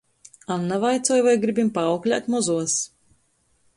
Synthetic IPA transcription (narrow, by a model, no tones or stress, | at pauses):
anːavajt̪suɔjvajɡɾibʲimpaːwklʲa̰t̪mɔzuɔs